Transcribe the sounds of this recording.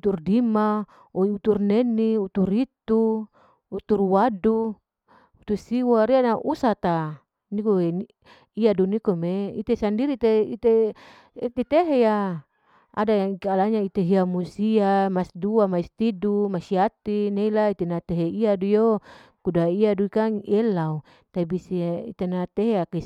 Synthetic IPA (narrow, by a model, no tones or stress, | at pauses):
ut̪urdima | oiut̪urneniut̪urit̪uː | t̪urwadu | ut̪usiwaɾianaʔusat̪a | nikoe | iadunikomeḭt̪esandiɾit̪eit̪e | t̪et̪eɦeja | a̰daikalaɲait̪eɦiamusiamasduamaist̪idumasiat̪ineilait̪enat̪eɦeiadujokudaiaduikaŋelau | t̪abisiḭt̪enat̪eɦeaki